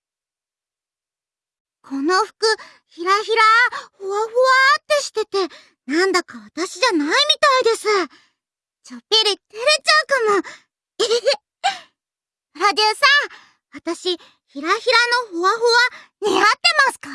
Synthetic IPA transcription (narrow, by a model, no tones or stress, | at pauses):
kʰo̞no̞ɸɯ̟̥kɯ̟ | çiɾaçiɾahoβaɸoβat̪ːe̞ɕi̥t̪e̞t̪e̞ | nãnd̪akaβat̪aɕiʑanaimʲit̪aid̪e̞sɨ | t͡ɕopeɾʲit̪eɾet͡ɕaɯkamo | i | ɾad̪esa | βat̪aɕi | çiɾaçiɾano̞hoβaɸoβaɲiat̪ːe̞masɨ̥ka